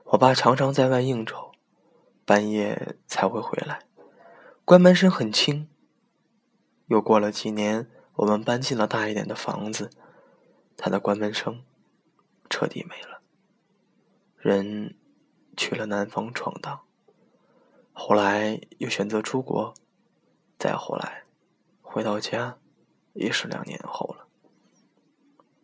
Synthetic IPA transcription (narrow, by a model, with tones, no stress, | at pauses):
wɔ˨˩pa˥˩ʈ͡ʂʰɑ˧˥ŋʈ͡ʂʰɑ˧˥ŋt͡sa˥˧ɪwa˥˧ɪi˥˩ŋʈ͡ʂo˨˩˦ʊ | pa˥njɛ̰˥˩t͡sʰa˧˥ɪxwe˥˩ɪxwḛ˧˥ɪla˧˥ɪ | kwa˥nmə˧˥nʂ̬ɤ˥ŋxə˨˩nt͡ɕʰi˥ŋ | jo˥˧ʊkwɔ˥˩lə˩t͡ɕi˨˩njɛ˧˥n | wɔ˨˩mə˦npa˥nt͡ɕi˥˩nlə˩t̪a˥˧i˥˩t̪jɛ˨˩nd̪ə˦fɑ̰˧˥ŋd͡zɹ̩˧ | t̪ʰa˥d̪ə˨kwa˥nmə˧˥nʂɤ˥ŋ | ʈ͡ʂʰɤ̰˥˧t̪ḭ˥˩me˧˥ɪlə˦ | ɻə˧˥n | t͡ɕʰy˨˩lə˦na˧˥nfɑ˥ŋʈ͡ʂʰwɑ̰˨˩ŋt̪ɑ˥˩ŋ | xo˥˩ʊla˧˥ɪjo˥˩ʊɕɥɛ˨˩nt͡sɤ˧˥ʈ͡ʂʰu˥kwɔ̰˧˥ | t͡sa̰˥˧ɪxo˥˩ʊla˧˥ɪ | xwe˧˥ɪt̪ɑ˥˩ʊt͡ɕja˥ | ḭ˧˥˩ʂɻ̩˥ljɑ̰˨˩ŋnjɛ̰˧˥nxo˥˩ʊlə˩